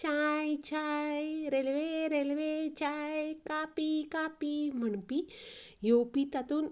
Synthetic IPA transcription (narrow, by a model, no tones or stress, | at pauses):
t͡ʃajt͡ʃajɾelweɾelwet͡ʃajkapikapimənpi | jopit̪at̪un